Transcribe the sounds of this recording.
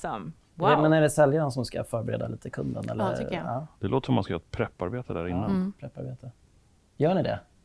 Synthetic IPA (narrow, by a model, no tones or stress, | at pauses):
m | ɛmɛnæɖɛsɛljannsɔmska̰fœːɾbɛɾeːd̪a̰liːt̪əkʰɵnd̪ə̰nɛ̰l̰ːɑːd̪̥ɛloːt̪sɔmːanskajœːɾt̪pʰɾɛpːaɾbeːt̪əd̪æːɾɪnːanpʰɾɛpːa̰ɾbeːt̪ʰə | jœːɳɪd̪ɛ̰